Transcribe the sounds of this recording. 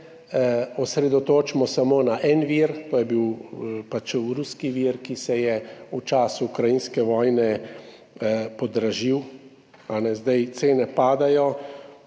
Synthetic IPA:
ɔsɾɛd̪ɔt̪oːt͡ʃmɔsamoːnaʔɛnʋiɾt̪oːjɛbiwpat͡ʃɾuskiʋiɾkisɛjɛut͡ʃaːsuːkɾajinskɛʋɔːjnɛ | pɔd̪ɾaʒiw | anɛzd̪ajt̪seːnɛpaːd̪ajɔ

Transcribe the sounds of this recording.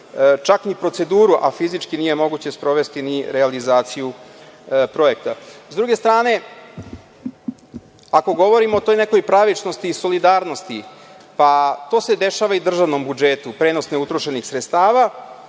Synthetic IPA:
t͡ʃaknipɾo̞t̪se̞d̪uːɾuʔafizit͡ʂkinije̞mo̞ɡut͡ɕe̞spɾo̞ʋe̞st̪iniɾealizaːt̪siju | pɾo̞e̞k̚t̪azd̪ɾuɡe̞st̪ɾaːne̞ | ako̞ɡo̞ʋo̞ɾimoːt̪o̞jne̞ko̞jpɾaʋit͡ʂno̞st̪iːso̞lid̪aːɾno̞st̪i | pat̪o̞ːse̞d̪e̞ʃaːʋaid̪r̩ʒaʋno̞mbud͡ʒet̪upɾe̞ːno̞sneut̪ɾoʃenixsɾet̪st̪aːʋa

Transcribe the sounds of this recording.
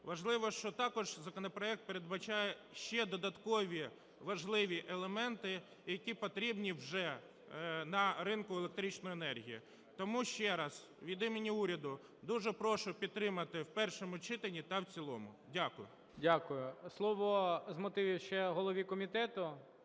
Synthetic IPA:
ʋɐʒlˠɪʋɔʃt͡ʃɔt̪ɑkɔʒzɐkɔnɔpɾɔɛk̚t̪̚peɾed̪̚bɐt͡ʃɑjɛʃt͡ʃɛd̪ɔd̪ɐt̪kɔʋʲi | ʋɐʒlˠɪʋʲiʔelˠemɛnt̪ɪ | jɐkʲipɔt̪ɾʲibnʲiwʒɛ | nɐɾɪnkʊelˠek̚t̪ɾʲit͡ʃnɔjenɛrɦʲijḭ | t̪ɔmuʃt͡ʃɛɾɐz̥ | ʋʲid̪ɪmenʲiuɾʲɐd̪ʊ | d̪uʒɛpɾɔʃʊpʲid̪̚t̪ːɾɪmɐt̪ɪwpɛrʃɔmʊt͡ʃɪt̪enʲit̪ɐwt͡sʲilˠɔ̰mʊ̰ | dʲakʊjʊ̰ | dʲakʊjʊslˠɔʋɔzmɔt̪ɪʋʲiwʃt͡ʃɛɦɔlˠɔʋʲikɔmʲit̪ɛt̪ʊ

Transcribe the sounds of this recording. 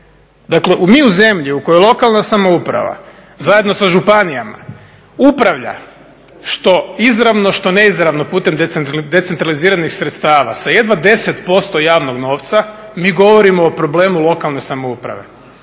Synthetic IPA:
d̪akleʔumiːuze̞mʎiukojolˠo̞kalˠnasamo̞upɾa̰ʋa̰ | zaje̞d̪no̞saʒupanijama̰ | upɾaʋʎa̰ | ʃt̪o̞izɾaʋno̞ʃt̪o̞ne̞izɾaʋno̞puːt̪e̞md̪eed̪e̞t̪se̞nt̪ɾaliziːɾanixsɾet̪st̪aːʋa̰saje̞d̪ʋad̪e̞set̪po̞st̪o̞jaːʋno̞ɡno̞ːʋt̪sa | miːɡo̞ʋo̞ɾimoːpɾo̞ble̞ːmulˠo̞kalˠne̞samo̞upɾa̰ʋe̞̰

